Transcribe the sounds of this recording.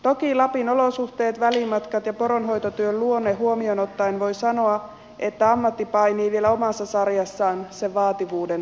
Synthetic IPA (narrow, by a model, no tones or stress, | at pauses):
t̪o̞kilɑpino̞lo̞suht̪e̞ːt̪ʋælimɑt̪kɑt̪jɑpo̞ɾonɦo̞jt̪ot̪yølluo̞nːeɦuomiono̞t̪ːɑjnʋo̞jsɑno̞ɑ | ʔe̞t̪ːæɑmːɑt̪ːipɑjniːʋielæomɑsːɑsɑrjɑsːɑːnseʋʋɑːt̪iʋuːde̞n